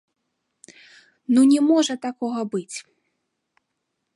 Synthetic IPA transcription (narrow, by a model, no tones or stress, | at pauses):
nunʲɛmɔʐɐt̪akɔɣɐbɨt͡sʲ